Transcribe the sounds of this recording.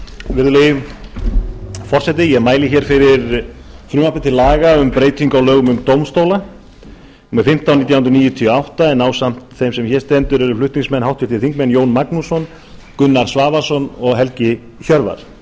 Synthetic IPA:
vɪɾðʏleːjʏm | fɔr̥sɛt̪̬ɪjɛɣmaːjlɪçɛɾ̥fɪɾɪɾfɾʏːmahp̪ɪt̪ʰɪlːaːɣaʏmpɾeːjt̪iŋkawlœːɣʏmʏmt̪owmst̪owla | mɪfɪm̥t̪awnit̪jawʏnt̪ɾniːjʏt̪ʰiawht̪aɛnːaːwsam̥t̪θejmsɛmçɛɾst̪ɛnt̪ʏɾɛɾʏflʏht̪niŋsmɛnhɦawht̪ʏ̥t̪ʰɪlθiŋkmɛnjoːwnmaknusɔn | kʏnːaɾ̥svaːvasɔnɔɣɦɛlcɪ | çœɾva̰ɾ̥

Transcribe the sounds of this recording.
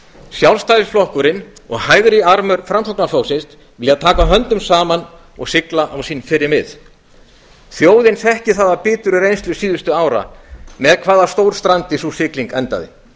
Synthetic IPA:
sjawlst̪ajɾsflɔhkʏɾɪnɔ̰ɣhaːjɣɾɪaɾmʏɾfɾamt̪ɔwknafoːwsɪnst̪ | vɪlaðt̪ʰaːkaɦœnt̪ʏmsaːman | ɔ̰ɣsɪklaʔawsiːnfɪɾɪɾmɪ̰ð | θjoːwðɪnsɛhcɪθaːðapɪːt̪ʏɾʏrejnst̪lʏsiːðʏst̪ʏaːwɾa̰mɛðkʰvaːðast̪owɾ̥st̪ɾant̪ɪθusɪkliŋkɛnt̪a̰ðɪ̰

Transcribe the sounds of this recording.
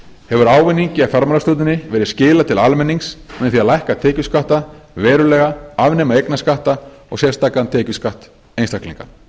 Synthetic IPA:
hɛvʏɾaːwvɪnːiɲcɪafjaɾmalast̪uːt̪ɪnɪvɛːɾɪðscɪːlat̪ʰɪlalmɛnːiŋsmɛnθiaðlajhkat̪ʰɛːcʏskaht̪avɛːɾʏlɛːɣaavnɛmaejknaskaht̪a | ɔ̰ɣsjɛst̪aːkant̪ʰɛːcʏskaht̪ | ejnst̪ahklḭŋka̰

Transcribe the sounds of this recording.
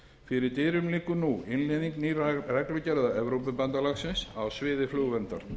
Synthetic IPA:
fɪɾɪɾt̪eːɾʏmlɪːkʏnuɪnleðiŋknirɛklʏcɛɾðaɛvɾowpʏpant̪alaɣsɪnsawsvɪːðɪflʏɣvɛnt̪aɾ̥

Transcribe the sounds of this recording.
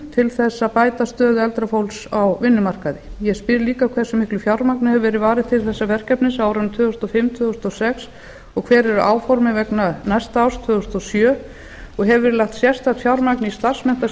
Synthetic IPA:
t̪ʰɪlθɛsːapaːjt̪ast̪œːðʏɛlt̪ɾafowlsawvɪnːʏmar̥kaðɪjɛspɪɾliːkakʰv̥ɛsːʏmɪhklʏfjawɾmaknɪhɛvʏvɛːɾɪðvaːɾɪðt̪ʰɪlθɛsːavɛr̥kapnɪsaːwɾʏnt̪ʰvœːðʏst̪ɔfɪmt̪ʰvœːðʏst̪ɔsɛks | ɔɣkʰvɛːɾɛɾʏʔaːwfɔɾmɪvɛknanajst̪awst̪ʰvœːðʏst̪ɔsjœː | ɔɣɦɛvɪɾlaht̪sjɛr̥st̪at̪fjawɾmaknɪist̪ar̥smɛn̥t̪a

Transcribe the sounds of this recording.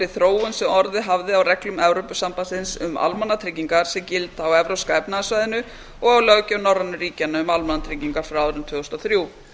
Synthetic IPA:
ɾɪθɾoːwʏnsɪɔɾðɪɦavðɪawrɛklʏmɛvɾowpʏsampasɪnsʏma̰lmanːat̪ʰɾɪciŋkaɾ̥sɛmcɪlt̪aːwɛvɾowskajpnaasvajðɪnʏ | ɔɣawlœɣcanɔrːanːʏɾiːcanaʏmalmanːat̪ʰɾɪciŋkaɾ̥fɾaaɾɪmt̪ʰʏːɣɔst̪aθɾjuː

